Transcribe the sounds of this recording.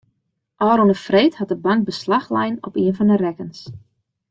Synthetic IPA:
ʔɔːɾonəfreːthat̚dəbɑŋk̚bəslaxlɛ̰jnɔ̰piənfɔndərɛkəns

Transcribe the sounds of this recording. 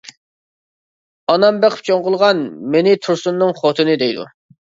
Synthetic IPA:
ɑnɑmbeqʰəp̚t͡ʃʰoŋʁʊlˠʁɑnmenɪt̪ʰuɾsunːɨŋχot̪ʰɨnɨd̪ɛjd̪ṵ

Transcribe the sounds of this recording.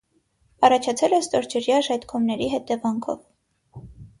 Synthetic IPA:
ɑrɑt͡ʃʰɑt͡sʰɛlɛst̪ɔɾd͡ʒəɾjɑʒɑt̪kʰɔmnɛɾiɦɛt̪ɛvɑŋkʰɔ̰v

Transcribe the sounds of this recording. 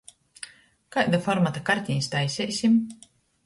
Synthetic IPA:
kajd̪afɔɾmat̪akaɾʲt̪ʲinʲsʲt̪ajsʲɛjsʲim

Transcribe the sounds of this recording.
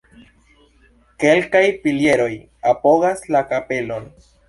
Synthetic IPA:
ke̞lkajpilje̞ɾo̞j | apo̞ɡaslakape̞lo̞n

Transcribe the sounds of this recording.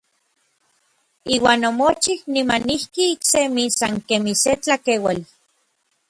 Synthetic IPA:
iːwaːnomot͡ʃihnimanihkiːksemisaŋkemiset͡ɬakewali

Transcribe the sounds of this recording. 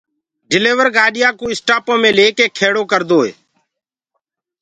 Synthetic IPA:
ɖɪleːʋəɾɡaːɗɪjaːkũːɪsʈaːpõːmẽːleːkeːkʰeːɽoːkəɾd̪oːḛː

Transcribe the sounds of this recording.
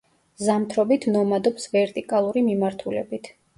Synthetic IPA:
zamt̪ʰɾɔbit̪ʰnɔmad̪ɔpsvɛɾt̪ʼikʼalˠuɾimimaɾt̪ʰulɛ̰bit̪ʰ

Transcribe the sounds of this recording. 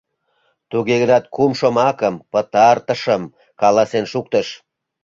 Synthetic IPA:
t̪uɣeɣənɑt̪̚kumʃomɑkəmpə̆t̪ɑrt̪ə̆ʃə̆m | kɑlɑsenʃuk̚t̪əʃ

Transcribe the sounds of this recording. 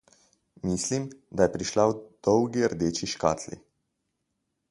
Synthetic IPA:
mislimd̪ajɛpɾiʃlawd̪̥ɔwɡiəɾd̪eːt͡ʃiʃka̰ːt̪lḭ

